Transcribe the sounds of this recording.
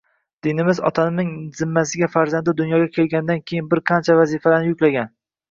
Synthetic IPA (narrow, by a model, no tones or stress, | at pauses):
d̪̥ɪnɪmɪzɒ̰t̪ʰanɪnɪŋzɪmːasɪɡʲafaɾzand̪ɪd̪ʊnjɒɡʲakʲʰe̞lɡʲanɪd̪ankʲʰejɪnbɪɾqʰɑnt͡ʃʰavazifalanɪjʊkʲlaɡʲan